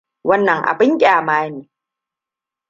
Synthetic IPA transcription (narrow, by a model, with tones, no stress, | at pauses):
wɐ˦nːɐ˨ŋʔa̰˨bɪ˦ŋkʲʼaː˨maː˦neː˨